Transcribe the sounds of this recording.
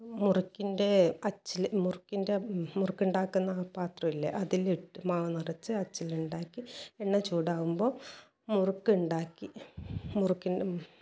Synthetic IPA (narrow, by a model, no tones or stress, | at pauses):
murukːinde̞ɐt͡ɕːilmurukːinde̞murukːuɳɖaːkːunːɐpaːt̪rɐʋilːḛʔɐðiliʈːɨmaːʋɐnirɐt͡ɕːɨɐt͡ɕːiluɳɖaːkːieɳːɐt͡ɕuːɽaːɣumbo̞ː | murukːuɳɖaːkːimurukːine